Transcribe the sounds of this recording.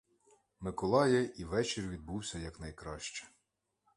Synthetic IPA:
mɪkɔlˠɑjɛʔiʋɛt͡ʃɪrʋʲid̪̚buwsʲɐjɐknɐjkɾɑʃt͡ʃɛ̥

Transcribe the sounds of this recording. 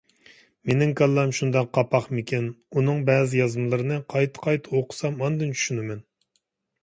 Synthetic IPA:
menɪŋkʰɑlˠːɑmʃund̪ɑqʰɑpʰɑχmɪkʲɛnunɨŋbɛːzɪjɑzmɨlˠɨɾɨnɨqʰɑjt̪ʰɨ̥qʰɑjt̪ʰɨoqʰʊ̥sɑmɑnd̪ɨnt͡ʃʰy̥ʃynɪmɛn

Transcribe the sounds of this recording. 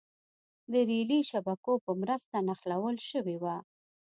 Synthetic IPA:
d̪əɾeliʃabakopəmɾəst̪anaxlawəlʃəwewa

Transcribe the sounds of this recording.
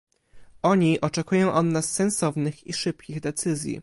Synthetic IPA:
ʔɔɲiʔɔt͡ʂɛkujɔ̃w̃ʔɔnːasːɛnsɔvnɘxiʂɘpkʲiɣd̪ɛt̪sɘzʲjḭ

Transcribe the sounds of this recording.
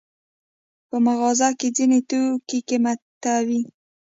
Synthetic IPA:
pəmaɣɑzɑked͡zinet̪okikemat̪awi

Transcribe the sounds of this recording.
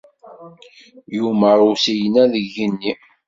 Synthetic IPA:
juməɾˤusijənæðəʝənːi

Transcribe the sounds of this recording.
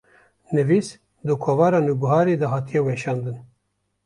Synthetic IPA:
nɨvis | d̪ɨkʰoːvɑːɾɑːnubuɦɑːɾeːd̪ɐɦɑːt̪ʰijɛweːʃɑːnd̪ɨn

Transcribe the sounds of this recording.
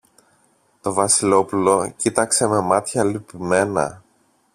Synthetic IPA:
t̪o̞vɐsilo̞pulo̞cit̪ɐkse̞me̞mɐt̪çɐlipime̞nɐ̰

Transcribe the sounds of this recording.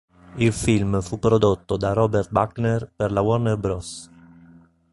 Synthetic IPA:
ilfilmfupːɾod̪ot̪ːod̪arɔbɛrt̪̚baknɛrperlawɔrnɛrbɾɔs

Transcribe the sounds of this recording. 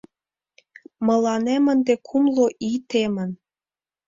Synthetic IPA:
mɤ̆lɑnemə̆nd̪ekʰumloʔit̪emə̆n

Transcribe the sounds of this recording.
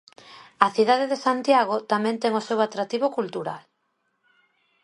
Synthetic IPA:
aθiðaðeðesant̪jaɣ̞ot̪amɛ̃nt̪ɛŋosewat̪ɾat̪iβokult̪uɾa̰l

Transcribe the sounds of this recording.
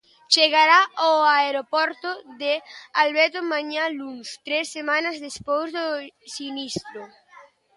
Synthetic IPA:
t͡ʃeɣaɾaoaeɾopɔɾt̪ʊðɪalβɛɾt̪ʊmaɲalunst̪ɾesːemãnɐzðespojzðosinist̪ɾʊ

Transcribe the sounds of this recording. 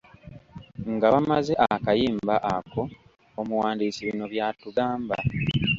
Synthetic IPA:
ŋɡaβamaze̞ʔakajiːmbaʔako̞ː | muwaːndiːsiβino̞βjaːtuɡaːmba

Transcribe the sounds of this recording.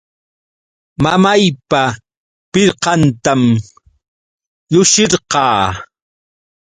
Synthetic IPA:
mamajpa | pɪɾqɑnt̪am | jʊʃɪɾqɑː

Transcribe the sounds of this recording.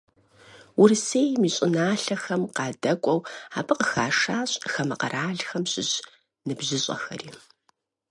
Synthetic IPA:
wʊrseːjmiːɕʼɪnaːɬɐxɐmqɑːdɐkʷʼɔwaːbʰɨqəxaːʂaːɕʼxɐmɐqɐrʔaːɮxɐmɕʼɪɕ | nɨbʑɪɕʼɐ̰xɐ̰riː

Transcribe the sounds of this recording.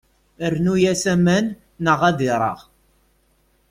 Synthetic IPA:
əɾnujæsæmænː | əʁæðɪɾˤə̰ʁ

